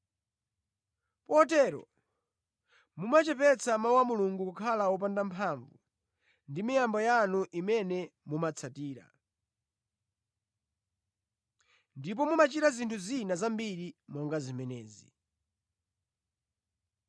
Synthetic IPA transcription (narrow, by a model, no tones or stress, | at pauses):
pɔtɛːɾɔ̰ | mumat͡ʃɛpɛt͡sʰamawamuluŋɡukukʰalaɔp̬andampʰaɱvu | ndimijambɔjanuʔimɛnɛmumat͡sʰatiːɾa̰ | ndip̬ɔmumat͡ʃiɾazintʰuzinazambiɾimɔŋɡazimɛnɛ̰ːzi